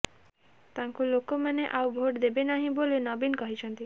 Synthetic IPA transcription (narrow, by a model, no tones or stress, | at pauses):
t̪aŋkulokːomaneʔawbʱoʈd̪ebenaɦĩboleonɔbinkɔɦit͡ʃʰɔnt̪i